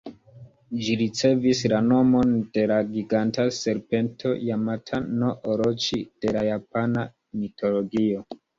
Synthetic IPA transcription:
d͡ʒiɾit͡se̞vislano̞mo̞nde̞laɡiɡantase̞ɾpe̞ntʰo̞̰jamatʰano̞ʔoɾot͡ʃid̥e̞lajapana | mitʰo̞lo̞ɡio

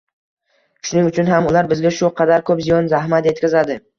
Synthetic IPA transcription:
ʃʊnɪŋʊt͡ʃʰʊnɦamʊlaɾbɪzɡʲaʃʊqʰɑd̪aɾkʰɵpzijɒnzahmat̪je̞t̪kʲazad̪ɪ

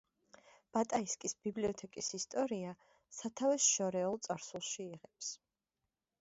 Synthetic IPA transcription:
b̥at̪ʼaiskʼisb̥ibliɔt̪ʰɛkʼisist̪ʼɔɾia | sat̪ʰavɛsʃɔɾɛɔlˠt̪sʼaɾsulˠʃiːʁɛps

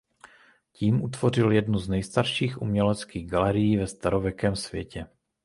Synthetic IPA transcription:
ciːmʔut̪vo̞r̝ɪljɛdnuznɛjst̪aɾʃiːxʔumɲɛlɛt͡skiːɣɡalɛɾɪjiːvɛst̪aɾo̞vjɛkɛːmsv̥jɛ̰cɛ

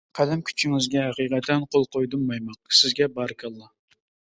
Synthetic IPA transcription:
qʰæd̪ɛmkʲʰy̥t͡ʃʰiŋɪzɡʲɛɦæqijqɛt̪ʰːɛnqʰolˠqʰojd̪ɨmːɑjmɑq̚sɪzɡʲɛbɑɾkʲʰɑlˠːɑ

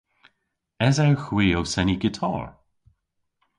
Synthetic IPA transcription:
ɛzawxwiːowsɛniɡɪtʰɔ̰ːɹ

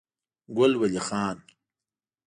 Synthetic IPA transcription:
ɡʊlwɐlixaːn

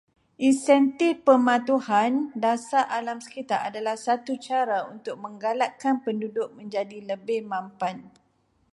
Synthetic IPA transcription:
ʔinsɛnt̪ifpəmãt̪uhandasaʔalamsə̥kit̪aɾadalahsat̪ut͡ʃaɾaunt̪ʊk̚mə̃ŋɡalaʔ̚kanpəndudʊk̚mə̃ɲd͡ʒadiləbɪhmãmpan

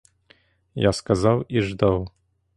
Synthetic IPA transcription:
jaskazawiʐd̪aw

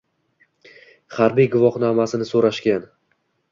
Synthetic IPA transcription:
χaɾbijɡʊvɒχnamasɪnɪsoɾaʃkʲan

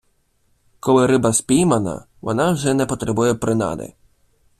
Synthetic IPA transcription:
kɔlˠɪɾɪbɐspʲijmɐnɐ̰ | ʋɔ̰nɑawʒɛnɛpɔt̪ɾɛbujɛpɾɪnɑ̰d̪ɪ̰

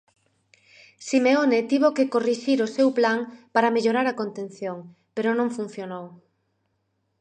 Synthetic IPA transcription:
simeonet̪iβokekoriʃiɾosewplaŋpaɾɐmeʎoɾaɾɐkont̪ẽn̟θjoŋ | peɾonõŋfun̟θjonow

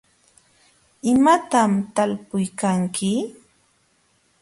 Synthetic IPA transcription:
ɪmat̪amt̪alpʊjkaŋkʰɪ

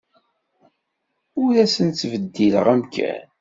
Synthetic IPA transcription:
ʊɾæsənt͡sːvəd̪ːilə̰ʁæmkʰæ̰n

